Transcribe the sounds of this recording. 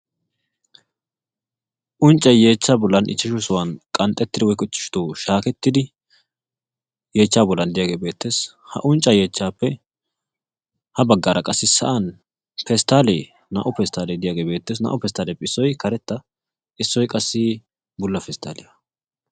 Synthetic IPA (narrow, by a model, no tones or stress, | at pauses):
ʔʊnt͡ʃʼːɐje̞ːt͡ʃːaːbʊlːɐnʔɪ̰t͡ʃːɪʃʊsʊwɐnkʼɐnt̪ʼːɛt̪ːɪd̪ɪwɔjkʼʊt͡ʃːɪ̥ʃt̪oːʃaːkɛt̪ːɪd̪ɪ | je̞ːt͡ʃːaːbɔlːɐnd̪ɪjaːɡe̞ːbe̞ːt̪ːe̞ːs | hɐ̰ʔʊnt͡ʃʼːɐje̞ːt͡ʃːaːpːɛ | hɐbɐɡːaːɾɐkʼɐsːɪsɐ̰ʔɐn | fɛst̪aːleː | nɐ̰ʔʊpɛst̪aːleːd̪ɪjaːɡe̞ːbeːt̪ːeːs̬nɐ̰ʔʊpɛst̪aːleːpːɛɪsːɔjkɐɾɛt̪ːɐ | ʔɪsːɔjkʼɐsːi | bʊlːɐfɛst̪a̰ːlɪjɐ